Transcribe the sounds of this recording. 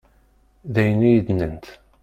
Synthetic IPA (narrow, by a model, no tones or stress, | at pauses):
ðæjənijəd̪nənt̪